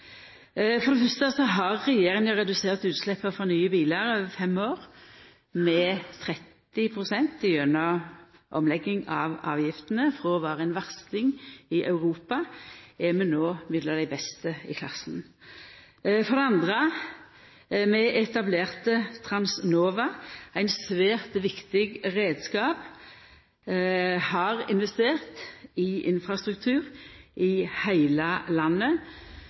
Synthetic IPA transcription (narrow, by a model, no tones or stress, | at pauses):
fɔʁd̪ɛfœst̪əsɔɦɑʁːɛjeːɾɪŋjʊʁɛd̪ʉseːʁt̪ʉːt̪slɛpːəfɔnyːəbiːləɾøːʋəfɛmoːʁ | mɛt̪ʰɾɛt̪ːɪpʰʁʊsɛnt̪ɪjœnə | ʔɔmlɛɡːɪŋɑʋɑ̰ːʋjɪft̪ənəfɾɔʋɑːɾəɛnʋɑʁst̪ɪŋɪʔɑʉɾuːpɑɛmɛnoːmɪd̪lɑd̪æɪbɛst̪əɪ̰kʰlɑ̰sn | fɔʁd̪ɛɑnd̪ʁə | mɛʔɛt̪ɑbleːʁt̪ət̪ʰɾɑnsnoːʋɑæɪnsʋeːʁt̪ʋɪkt̪ɪɡʁeːd̪skɑːp | hɑʁɪnʋɛst̪eːʁt̪ɪʔɪnfʁɑst̪ʁʉkt̪ʰʉːʁʔɪhæɪləlɑnːə